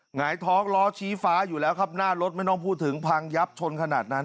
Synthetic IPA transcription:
ŋa˩˦jt̪ʰɔː˦˥ŋlɔː˦˥t͡ɕʰiː˦˥faː˦˥juː˨˩lɛː˦˥wkʰa˦˥˩p̚naː˥˩lo˦˥t̪̚ma˥˩jnɔː˥˩ŋpʰuː˥˩t̪ʰːɯ˩˦ŋpʰa˧ŋja˦˥p̚t͡ɕʰo˧nkʰa˧na̰ː˨˩t̪̚na˦˥n

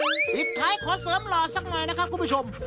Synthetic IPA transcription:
pi˨˩t̪̚k̪ʰːaː˨˦˥jkʰɔː˩˦sɤː˨˦mlɔː˨˩sa˨˧˩k̚nɔ˨˩jna˦˥kʰa˦˥p̚kʰːu˧npʰu˥˩o˧m

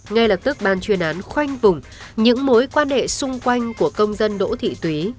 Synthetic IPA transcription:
ŋa˧jlə˨˩p̚t̪ɨ˦˥k̚ɓaː˨˩nt͡ɕwi˨˩ənʔaː˨˦nxwa˧jŋ̟vʊ˨˩ŋ͡m | ɲɨ̰˧˥ŋmo˨˦jkwaː˧nhḛ˧˨sʊ˧ŋ͡mkwa˧jŋ̟ku˧˩əkə˧wŋ͡mzə˧nɗo̰˧˥t̪ʰḭ˧˨t̪wi˨˦

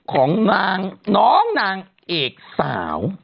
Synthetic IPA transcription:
kʰɔː˩˦ŋnaː˧ŋnɔː˦˥ŋnaː˧ŋ | ʔeː˨˩k̚sa̰ː˩˦w

